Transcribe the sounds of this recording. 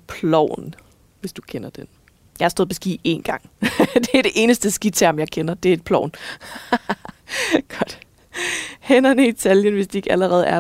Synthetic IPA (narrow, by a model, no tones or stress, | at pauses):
pʰlɒʊ̰n | ʋe̝sd̥ukʰenɐd̥en | jɑ̈ɑsd̥ɔð̩ˠʰɒ̽sɡ̥ḭːe̝̰ːnɡ̥ɑ̈ŋ̰d̥e̝æd̥e̝ʔe̝ːnəsd̥əsɡ̥id̥̚t͡sʰæɐ̰mjɑ̈ɪkʰenɐd̥e̝æɐed̚pʰlɒʊn | ɡ̥ɒ̽d̥ | henɐnəit͡sʰɛljənʋe̝sd̥ie̝ɡ̥æləʁɛːð̞̩ˠæɐ